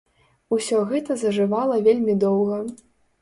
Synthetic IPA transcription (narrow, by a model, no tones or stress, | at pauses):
usʲɔɣɛt̪ɐzɐʐɨvalˠɐvʲelʲmʲid̪ɔwɣɐ